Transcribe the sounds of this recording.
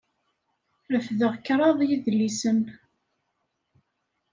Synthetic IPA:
ɾəfðəʁkɾˤɑðˤjiðlːisəm

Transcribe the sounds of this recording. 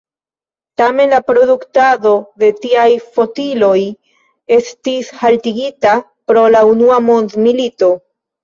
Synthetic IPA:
tame̞nlapɾo̞duktado̞de̞tiajfo̞tilo̞j | e̞stishaltiɡita | pɾo̞launuamo̞nd̪milito̞

